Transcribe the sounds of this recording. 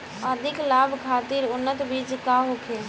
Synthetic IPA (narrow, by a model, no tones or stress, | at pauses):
əd̪ʱiklabʱkʰat̪iɾʊnːət̪bid͡ʒkaɦokʰe